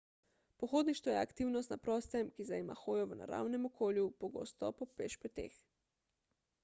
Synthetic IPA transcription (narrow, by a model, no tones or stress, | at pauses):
poxoːd̪niʃt̪ʋɔjɛakt̪iːwnɔst̪na̰pɾɔːst̪ɛmkizaima̰xoːjɔʋəna̰ɾa̰ːwnɛmokʰoːljupoɡo̰ːst̪ɔpɔpeʃpɛt̪ḛːx